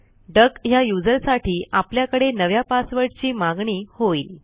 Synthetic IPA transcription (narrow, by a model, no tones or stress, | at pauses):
ɖəkjajud͡zəɾsaʈʰiːʔapljakəɽenəʋjapasʋəɾɽt͡ɕiːmaɡɳiːhoiːl